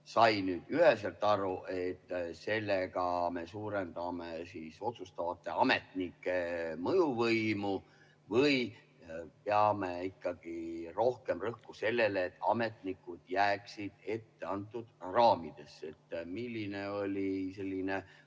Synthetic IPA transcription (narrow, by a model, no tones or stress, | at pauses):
sɑjnyːd̪yhe̞s̬elt̪ːˑɑɾuʔe̞t̪ːse̞lːeɡ̥ɑme̞suːɾe̞nd̪ɑmesiːso̞t̪sust̪ɑvɑt̪ːˑe̞ɑme̞t̪nikːˑe̞mɤjuvɤjmu | vɤj | peɑmeikːɑɡ̥iro̞hke̞mrɤhkuse̞lːe̞leːt̪ːɑ̰me̞t̪nikːˑud̪̥jæːksid̪̥e̞t̪ːe̞ɑnt̪ːˑud̪̥rɑːmid̪̥e̞se̞t̪ːmilʲːineo̞lʲise̞lʲːine